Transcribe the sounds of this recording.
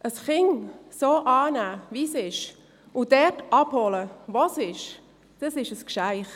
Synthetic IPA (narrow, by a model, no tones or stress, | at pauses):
ʔəsχɪŋsoːʔɑːnæːʋisɪʃ | ʊd̥ɛtʔɑb̥holəvosɪʃ | d̥ɑsɪʃəskʃaɪχ